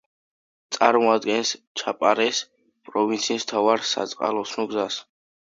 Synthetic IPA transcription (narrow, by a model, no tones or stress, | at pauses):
t̪sʼaɾmɔad̪ɡɛns | t͡ʃʰapʼaɾɛs | pʼɾɔvint̪sʰiːst̪ʰavaɾsa̰t̪sʼqʼa̰lɔsnɔɡzas